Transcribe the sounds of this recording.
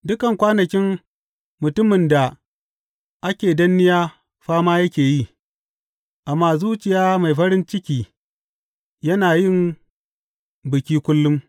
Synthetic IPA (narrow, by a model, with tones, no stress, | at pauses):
dʊ˦kɐ˨ŋkʷaː˦nɐ˨kʲɪ˦mː | ʊ˨tʊ˦mɪ˨nda˨ | ʔa˦kʲeː˨dɐ˦nːɪ˦jaː˦ | ɸaː˦maː˦jɐ˦kʲeː˨ji˦ | ʔa˨mːaː˦zuː˦t͡ʃɪ˨jaː˦ma˨jɸɐ˦ɾɪ˦nt͡ʃɪ˦kʲiː˦ | jɐ˦naː˨jɪ˦˨m | bɪ˨kʲiː˦kʷʊ˦lːʊ˦m